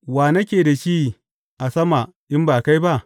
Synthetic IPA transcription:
waː˨nɐ˦kʲeː˨da˨ʃiː˦ | ʔa˨sɐ˦ma˨ | ʔɪ˦mbaː˨ka˦jba˦ʔ

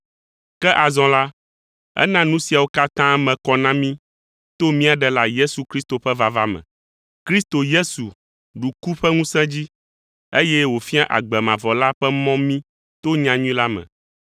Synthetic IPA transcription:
kɛ˦ʔa˨zɔ̃˨la˦ | ɛ̰˦nã˦nũ˦si˨a˨wo˦ka˦t̪ã˦mɛ̃˨kɔ˦nã˦mĩ˦ | t̪o˦mĩ˦a˨ɖɛ˨la˦je˦su˨kɾi˦st̪o˨ɸɛ˦va˨va˦mɛ̰̃˨ | kɾi˦st̪o˨je˦su˨ | ɖu˨ku˦ɸɛ˦ŋũ˦sɛ̃˦d͡ʑi˦ | e˦jɛ˦wo˨fi˦a˦ʔa̰˨ɡ͡bɛ˨mã˨vɔ˨la˦ɸɛ˦mɔ̃˦mĩ˦ | t̪o˦ɲã˨ɲũ˦ĩ˦la˦mɛ̰̃˨

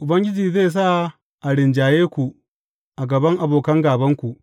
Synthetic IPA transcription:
ʔʊ˨bɐ˦ŋɡʲɪ˦d͡ʒiː˨zeː˦˨s̬a˦ | ʔa˨ɽɪ˨nd͡ʒaː˨jeː˦kʷu˨ʔ | ʔa˨ɡɐ˨bɐ˦ŋʔa˨boː˨kɐ˦ŋɡaː˨bɐ˦ŋkʷu˨ʔ

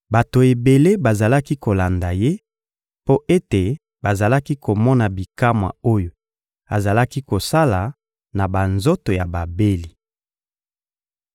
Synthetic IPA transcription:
ba˨to˨e˨be˨le˦ba˨za˨la˦ki˦ko˨la˨nda˨je˦ | po˦ʔe˦te˨ | ba˨za˨la˦ki˦ko˨mɔ˦na˨bi˨ka˦mwa̰˨o˦jo˨ | a˨za˨la˦ki˦ko˨sa˦la˨ | na˨ba˨nzo˦to˨ja˨ba˨be˦li˨

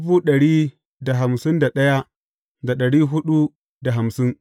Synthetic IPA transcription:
ʊ˦buː˦ɗɐ˨ɽiː˦ | da˨ɦa˨msɪ˦nda˨ɗɐ˦ja˦ | da˨ɗɐ˨ɽiː˦ɦʊ˦ɗu˦ | da˨ɦa˨msɪ˦ŋ

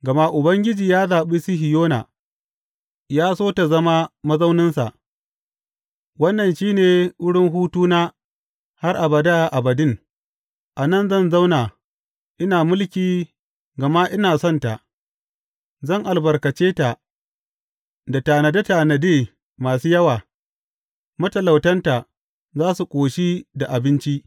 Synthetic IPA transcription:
ɡɐ˨ma˦ʔʊ˨bɐ˦ŋɡʲɪ˦d͡ʒiː˨jaː˦zaː˨ɓiː˦si˦ɦɪ˨joː˦na̰ː˨ | jaː˦soː˦ta˨zɐ˦ma˦mɐ˦za˦wnɪ˦nsa˨ʔ | wɐ˦nːɐ˨nʃiː˦neː˨wʊ˦ɽɪ˦ŋɦuː˦tuː˦naː˦ | ha˦rʔa˨bɐ˨da˦ʔa˨bɐ˨dɪ˦ŋ | ʔa˨nɐ˦˨nzɐ˦˨nza˦wnaː˨ | ʔɪ˦naː˨mʊ˦lkʲiː˨ | ɡɐ˨ma˦ʔɪ˦naː˨sɔ˦nta˨ʔ | zɐ˦˨ŋʔa˨lbɐ˨rkɐ˨t͡ʃeː˦ta˨ | da˨ta˨nɐ˨dɐ˦taː˨nɐ˨deː˦˨ | maː˨suː˦jɐ˦waː˨ | mɐ˦tɐ˨la˨wtɐ˦nta˨ | zaː˦su˨kʷʼoː˨ʃi˦da˨ʔa˨bɪ˦nt͡ʃi˦ʔ

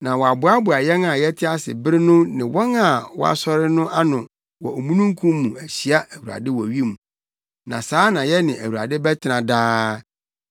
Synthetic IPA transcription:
nã˨wɔ˨a˨bʊ˨˦a˦bʊ˨a˨jɛ˦nã˨jɛ˦tʰɪ˦a˦sɪ̰˨bɪ˦ɾɪ˦nʊ̃˦nɪ̃˨wɔ˦ŋa˨wɔ̰˦a̰˨sɔ˦ɾɪ˦nʊ̃˦ʔa˦nʊ̃˨ | wɔ˨o˨mũ˦nũ˦ŋ˦kʰũ˦mː˦ũ˨æ˨ɕi˨a˦ʔæ˨wu˨a̰˨dɪ˦wɔ˨ɥi˦mũ˨ | nã˨saː˦nã˨jɛ˦nɪ̃˨ʔæ˨wu˨a̰˨dɪ˦bɛ˦tʰɪ˨nã˨daː˦

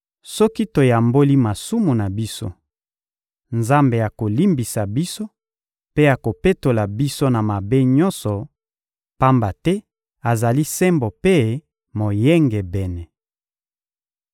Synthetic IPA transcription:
sɔ˦ki˦to˨ja˨mbo˦li˦ma˨su˦mu˨na˨bi˦so̰˦ | nza˦mbe˨ja˨ko˨li˦mbi˨sa˨bi˦so˦ | pe˦ja˨ko˨pe˦to˨la˨bi˦so˦na˨ma˨be˦ɲɔ˦nsɔ˨ | pa˦mba˨tɛ˦ | a˨za˨li˦sɛ˦mbo˨pe˦ | mo˨jɛ˦ŋɡɛ˨bɛ˨nɛ˨

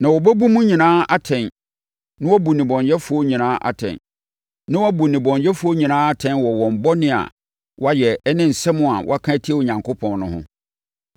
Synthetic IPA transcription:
nã˨wɔ˨bɛ˦bu˦mũ˦ɲĩ˨nãː˦a˦tʰɛ̃˨n | nɪ̃˦wɔ˦bu˨nɪ̃˨bɔ̃˨ɲjɛ˦fʊ˨˦o˦ɲĩ˨nãː˦ʔa̰˨tʰɛ̰̃˨n | nã˦wɔ˦bu˨nɪ̃˨bɔ̃˨ɲjɛ˦fʊ˦o˦ɲĩ˨nãː˦a˦tʰɛ̃˦nwɔ˨wɔ̃˨m̩˨bɔ˦nɪ̃˦a̰˨ | wɔ˦a˦jɛ˨ɛ˦nɪ̃˦n̩˨sɛ˦mʊ̃˦a̰˨wʔɔ̰˦a˦kʰã˦tʰi˦e˦˨o˨ɲã˨ŋkʰo˦pʰɔ̃˨nnʊ̰̃˦hʊ̰̃˦

